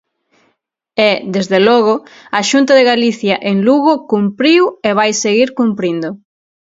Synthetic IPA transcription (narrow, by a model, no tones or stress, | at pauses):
ed̪ezðelɔɣ̞oaʃunt̪aðeɣaliθjaʔeŋluɣokumpɾiweβ̞ajseɣiɾkumpɾind̪ʊ